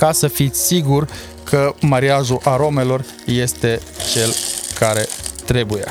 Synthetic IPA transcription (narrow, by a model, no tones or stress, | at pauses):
kasəfit̪sʲsiɡur | kʰəmaɾiaʒuʔaɾo̞me̞lo̞r | je̞st̪e̞ | t͡ʃe̞lkʰaɾe̞t̪ɾe̞bujḛ